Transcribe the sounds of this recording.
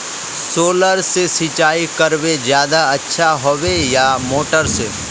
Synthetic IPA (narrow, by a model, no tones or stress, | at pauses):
soːləɾsesit͡ʃaːikəɾʋed͡ʒjaːd̪aɐtːʃʰaɦoʋejamoːʈəɾseː